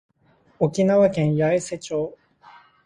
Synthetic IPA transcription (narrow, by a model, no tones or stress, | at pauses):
okʲinaβakẽ̞ɰ̃jaese̞t͡ɕoː